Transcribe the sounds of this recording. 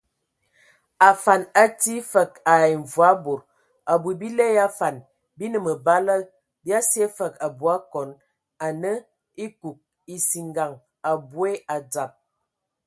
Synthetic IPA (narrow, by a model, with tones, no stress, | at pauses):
a˨fa˨na˦ti˦fə˨ka˨i˨ɱ˨vwa˦bo˨ɾ | a˨bu˨bi˦lɛ˦ja˦fa˨n | bi˦nə˨mə˨ba˦lə˦ | bja˦se˦fə˨ka˨bu˨˦a˦kɔ˨˦n | a˨nə˦ | i˦ku˨k̚ | i˨si˨ŋɡa˨ŋ | a˨bu˦e˦a˨d͡za˨p̚